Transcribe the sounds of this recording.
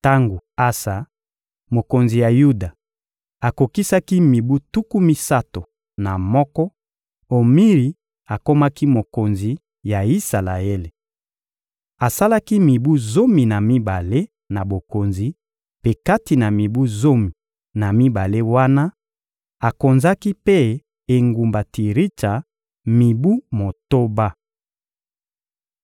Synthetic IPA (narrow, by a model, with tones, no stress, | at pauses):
ta˦ŋɡo˨a˦sa˨ | mo˨ko˨nzi˨ja˨ju˦da˨ | a˨ko˨ki˦sa˦ki˦mi˨bu˦tu˦ku˦mi˦sa˦to˨ | na˨mɔ˦kɔ˦ | o˨mi˦ʁi˨˦ | a˨ko˦ma˦ki˦mo˨ko˨nzi˨ | ja˨i˦sa˨la˨e˦le˨ | a˨sa˦la˦ki˦mi˨bu˦zo˦mi˨na˨mi˦ba˨le˦ | na˨bo˨ko˨nzi˨˦ | pe˨ka˦ti˨na˨mi˨bu˦zo˦mi˨ | na˨mi˦ba˨le˦wa˦na˦ | a˨ko˨nza˦ki˦pe˦ | e˨ŋɡu˨mba˨ti˨ʁi˦ta˨ | mi˨bu˦mo˨to˦ba˦